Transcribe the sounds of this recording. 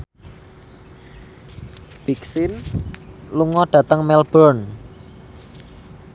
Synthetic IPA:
b̥iksɪn | luŋɔɖ̥ä̤t̪əŋmɛlb̥ɾɔn

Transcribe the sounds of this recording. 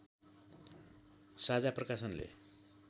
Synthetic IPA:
sad͡zaprʌkasʌnlḛ

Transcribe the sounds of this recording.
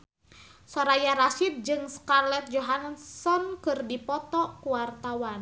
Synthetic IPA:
sɔɾajaɾasid̪̚d͡ʒɨŋskarlɛt̪̚d͡ʒɔɦansɔnkɨrdipɔt̪ɔkuwart̪awan

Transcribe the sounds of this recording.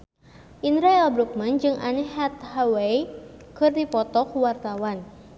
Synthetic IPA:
ʔinɾajalbɾuk̚mand͡ʒɨŋʔa̰nɛhat̪haweikɨrdipɔt̪ɔkuwart̪awan

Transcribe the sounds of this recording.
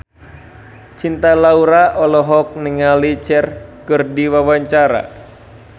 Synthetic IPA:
t͡ʃint̪alauɾaʔɔlɔɦɔk̚niŋalit͡ʃɛrkɨrdiwawaɲt͡ʃaɾa̰

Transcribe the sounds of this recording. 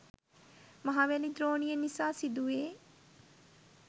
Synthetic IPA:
mɐɦaːʋalid̪ɾoːnijənisasid̪ueː

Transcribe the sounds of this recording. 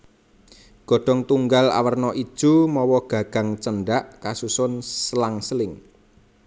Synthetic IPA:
ɡ̥ɔ̤ɖ̥ɔ̤ŋt̪uŋɡala̰wərnɔʔid̥ʒ̥ṳmɔwɔɡ̥ä̤ɡ̥a̤ŋt͡ʃənɖaʔkasusʊnslaŋslɪŋ

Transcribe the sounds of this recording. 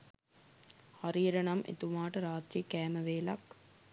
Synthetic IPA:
haɾiːɾɐnɐmʔḛt̪umaːʈəɾaːt̪ɾikæːmɐʋeːlɐ̰k

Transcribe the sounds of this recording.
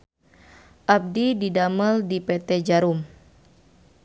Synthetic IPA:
ʔab̚dididaməldipɛt̪ɛd͡ʒaɾum

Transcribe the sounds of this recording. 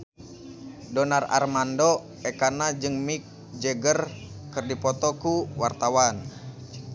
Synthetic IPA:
dɔnara̰rmando | ɛkanad͡ʒɨŋmik̚ | d͡ʒɛɡərkərdipɔt̪ɔkuwart̪awan

